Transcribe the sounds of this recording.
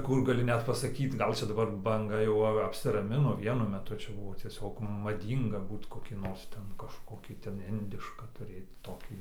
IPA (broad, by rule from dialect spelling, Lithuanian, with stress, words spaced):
ˈkʊr ɡɐˈlʲɪ ˈnʲɛt pɐsɐˈkʲiːt ˈɡɐlʲ ˈt͡ʃʲɛ dɐˈbɐr bɐŋˈɡɐ jɛʊ ˈɐ ɐpʲsʲɪrɐˈmʲɪnoː ˈʋʲiɛnʊ mʲɛˈtʊ ˈt͡ʃʲɛ ˈbʊʋoː tʲiɛˈsʲoːk mɐˈdʲiːŋɡɐ ˈbuːt koːˈkʲiː ˈnoːrs ˈtʲɛn kɐʃˈkoːkʲiː tʲɛn ˈɪnʲdʲɪʃkɑː tʊˈrʲeːt ˈtoːkʲiː